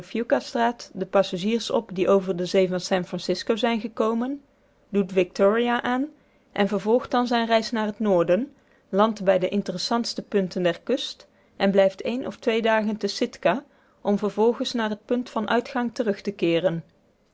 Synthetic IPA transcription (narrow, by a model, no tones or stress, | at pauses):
fjukastraːtdəpɑsaʒiːrsɔ̰pdiʔowvəɹdəzejvɑnsɛnfrɑnsɪskowzɛjnɣəkowmən | dutʋɪk̚tɔːɹiaʔaːn | ʔɛnvəɹvɔlˠχt̚dɑnzɛjnrɛjsnaːrɦətnʊːɹdən | lɑntbɛjdəʔɪntərəsɑntstəpɵntəndɛɹkɵst | ʔɛnblɛjftʰejnʔɔ̰ftʋejdaːɣəntəsɪtka | ʔɔmvəɹvɔlˠɣənsnaːrɦət̚pɵntfɑnʔœ̰ɥtχɑŋtərɵχtəkɪːrən